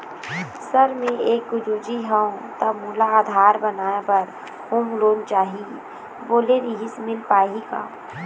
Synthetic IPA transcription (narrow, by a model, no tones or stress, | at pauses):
sɐɾmẽeːkʊd͡ʒud͡ʒiɦəõt̪ɐmuːlaaːd̪ʱaːɾbənaːepɐɾ | hõːmloːnt͡ʃaːɦi | boːleɾiɦɪsmɪlpaːɦiɡa̰ː